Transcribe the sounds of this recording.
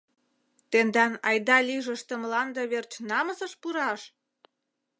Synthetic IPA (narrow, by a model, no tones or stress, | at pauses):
t̪end̪ɑnɑjd̪ɑlʲiʒəʃt̪ə̆mlɑnd̪ɤβert͡ɕnɑməsəʃpuɾɑʃ